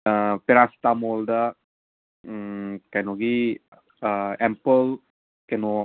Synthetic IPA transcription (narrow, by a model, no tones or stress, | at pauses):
əpeɾast̪amoldə | kanoɡi | əɛmpəl | kano